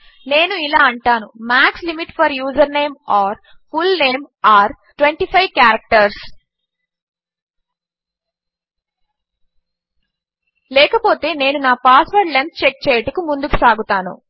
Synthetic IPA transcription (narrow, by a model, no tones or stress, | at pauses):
ne̞ːnuilaːɐɳʈaːnumaːkslimiʈpɐɾjuːzɐɾne̞ːmaːɾpʰulneːmaːɾ | ʈwʋeɳʈiːpʰɐjʋkjaːɾɐk̚ʈɐɾs | lɛːkɐpo̞ːt̪e̞ːne̞ːnunaːpaːsʋɐɾʈlent̪̚t͡ʃek̚t͡ʃeːjɐʈɐkumund̪ukusaːɡut̪aːnṵ